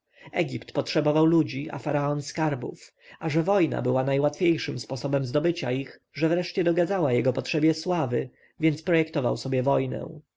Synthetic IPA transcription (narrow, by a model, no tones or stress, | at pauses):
ɛɡʲipt̪pɔtʂɛbɔvawlud͡ʑiʔa̰faɾaɔnskaɾbṵf | aʐɛvɔjna̰bɘwanajwat̪fʲjejʂɘmspɔsɔbɛmzd̪ɔbɘt͡ɕaixʐɛvɾɛʂt͡ɕɛd̪ɔɡad̪zawajɛɡɔpɔtʂɛbʲjɛswavɘ | vʲjɛnt̪spɾɔjɛkt̪ɔva̰wsɔbʲjɛvɔjnɛ̰̃w̃